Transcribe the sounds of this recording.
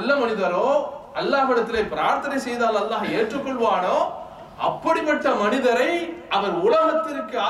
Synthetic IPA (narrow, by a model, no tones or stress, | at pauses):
lːɐmɐnɪðɐɾoːɐlːaːʋɪɽɐt̪ːɪleːpɪɾaːɾt̪ɐnɐɪsɛjðaːlɐlːaːɦeːʈrɯkːɔɭʋaːnoː | ɐ̰pːɐɽipːɐʈːɐmɐnɪðɐɾɐɪɐʋɐɾʊlɐɣɐt̪ːɪɾɯkːɯaː